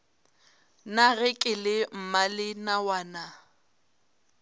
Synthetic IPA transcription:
naɣɪkʼɪlɪm̩malɪnawaːna

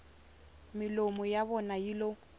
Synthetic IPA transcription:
mɪlomɔjabɔnajilo

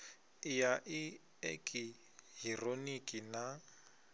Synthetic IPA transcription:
jaʔɪ | ḛkʼi | hironikʼina

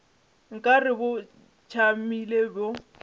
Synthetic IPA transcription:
ŋ̩kʼarɪbʊ | t͡ʃʰamilebɔ

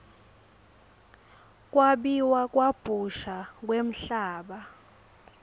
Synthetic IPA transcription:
k̬ʼwaɓiwak̬ʼwab̥ʱuʃak̬ʼwem̩ɬaːɓa

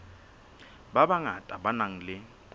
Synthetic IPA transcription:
babaŋatʼaɓanaŋ̩lɪ | kʼ

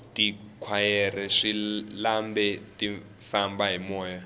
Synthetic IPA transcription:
tʼikʰwajɛrɛʂilambɛtʼi | fambaɦimɔːja

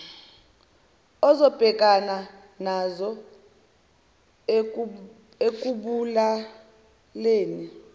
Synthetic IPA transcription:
ɔzɔb̥ʱɛk̬ʼana | nazɔ | ek̬ʼuɓula | leːni

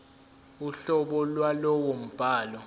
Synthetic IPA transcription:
uɬɔɓɔlwalɔwom̩b̥ʱaːlɔ

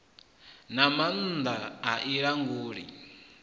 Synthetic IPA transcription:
naman̩d̪aaʔiɺaŋɡuːɺḭ

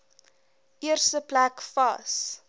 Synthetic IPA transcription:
ʔiərstəplækfɐs

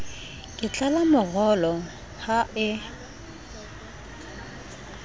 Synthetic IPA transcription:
kʼɪt͡ɬʼalamʊɣɔlɔ | haʔɪ

